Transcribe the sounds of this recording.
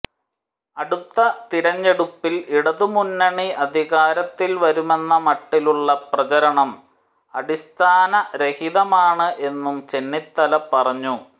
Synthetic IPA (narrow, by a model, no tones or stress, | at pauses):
ɐɽut̪ːɐt̪iɾɐɲːe̞ɽupːiliɽɐðumunːɐɳiɐd̪ʱiɣaːɾɐt̪ːilʋɐɾume̞nːɐmɐʈːiluɭːɐprɐt͡ɕɐɾɐɳɐm | ɐɽist̪ʰaːnɐɾehiðɐmaːɳɨʔe̞nːumt͡ɕe̞nːit̪ːɐlɐpːɐrɐɲːu